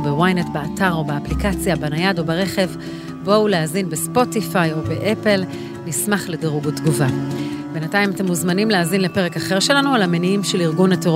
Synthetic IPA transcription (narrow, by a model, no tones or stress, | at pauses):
bewajnetbeataʁo̞beaplikat͡sjabanajado̞beʁe̞χe̞v | bo̞uleazinbespo̞tifajo̞beʔepel | nismaχledeʁuɡutɡuvabe̞nataimate̞mːuzmanimleazinle̞pe̞ʁ̞e̞kaχe̞ʁʃe̞lanualameniimʃeliʁɡunateʁ